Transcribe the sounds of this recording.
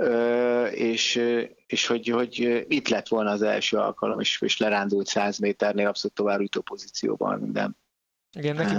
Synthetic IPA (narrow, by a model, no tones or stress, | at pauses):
øːeːʃ | eːʃho̞ɟho̞ɟøit̪lɛt̪ʋo̞lnɒːzɛ̰lʃøːɒ̰lkɒlo̞meːʃeːʃlɛɾaːnd̪ult̪saːzmeːt̪ɛrneːlɒpsoluːt̪ːovaːbyt̪oːpo̞zit̪sijo̰ːbɒ̰nmḭnd̪ɛ̰n | iɡɛn